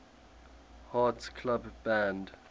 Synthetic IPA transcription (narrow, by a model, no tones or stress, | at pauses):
haˑtskʰlabbæ̃nd